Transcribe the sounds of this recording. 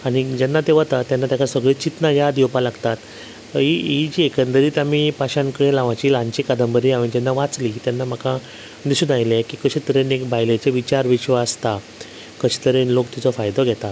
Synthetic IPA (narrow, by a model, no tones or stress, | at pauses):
aɽ̃id͡ʑɛnːat̪eʋət̪at̪janːat̪jakasəɡɭet͡ɕit̪najad̪iwpalaɡt̪at̪ | ɦiid͡ʑiekənd̪əɾiːt̪amipaɕãnkəɽẽlaʋãt͡ɕiːlaɲt͡ɕikəd̪əmbəɾiaʋəɳd͡ʑɛnːaʋat͡sliːt̪janːam̤aka | d̪isuːnajlekiːkəɕit̪əɾenekbajlet͡seʋit͡ɕaɾʋiɕʋaːst̪a | kəɕi̥t̪əɾenlokt̪it͡sɔfajd̪ɔɡʱɛt̪at̪